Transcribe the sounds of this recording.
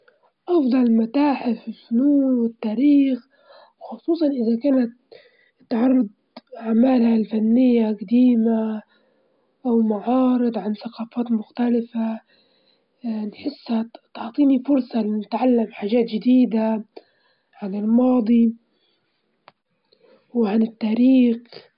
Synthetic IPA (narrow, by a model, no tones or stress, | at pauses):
ʔɑfd̪ˤɑlmat̪aːħɪfɪlfʊnuːnwɪt̪ːaːɾiːx | xʊsˤuːsˤɑnʔɪðakaːnat̪̚ | t̪ʕɑrˤːɑd̪̚ˤ | aʕmaːlhalfanːɪjːaqad̪iːma | ʔawmaʕɑːɾɨd̪ˤʕanθaqɑːfaːt̪mʊxt̪alɪfa | nħɪsːhat̪ʊʕt̪ˤiːnifʊɾsˤɑlɪnɪt̪ʕalːamħaːʒaːt̪d͡ʒɪd̪iːd̪a | ʕanɪlmɑːd̪ˤi | wʕanɪt̪ːaːɾiːx